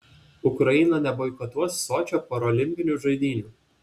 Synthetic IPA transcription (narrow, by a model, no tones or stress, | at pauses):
ʊkɾɐɪnɐnʲɛbɔːɪkot̪uɔsːoːt͡ʃʲoːpoːɾɔːlʲɪmʲpʲɪnʲuːˑʒɐɪd̪ʲiːnʲuː